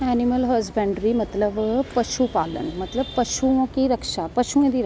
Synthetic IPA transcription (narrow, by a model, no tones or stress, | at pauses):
ɛːnɪməlɦɐzbɛ̃ːɳɖɾimɐt̪ləbpɐʃupaːlə̰nmɐt̪ləbpɐʃuõkiɾɐkʃapɐʃuẽd̪iɾ